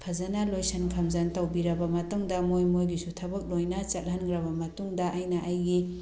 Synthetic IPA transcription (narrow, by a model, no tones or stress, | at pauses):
pʰɐzɐnalojsɐnkʰɐmzɐntɐwbiɾɐbɐmɐtuŋdɐmojmojɡisutʰɐbɐk̚lojnɐt͡ʃɐt̚ɦɐnɡɾɐbɐmɐtuŋdɐʔːjnɐʔajɡi